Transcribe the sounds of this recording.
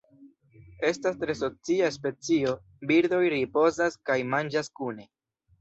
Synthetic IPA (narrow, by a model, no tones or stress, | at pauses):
e̞stastɾe̞so̞t͡siaspe̞t͡sio̞ | biɾd̪o̞jɾipo̞zaskajmand͡ʒaskune̞